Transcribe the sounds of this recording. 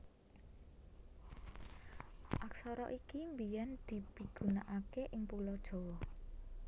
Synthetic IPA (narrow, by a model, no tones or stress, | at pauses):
ʔaksɔɾɔ̰ʔikimbijand̪̥i̤piɡ̥ṳnaʔakeʔɪŋpulɔd̥ʒ̥ɔ̤wɔh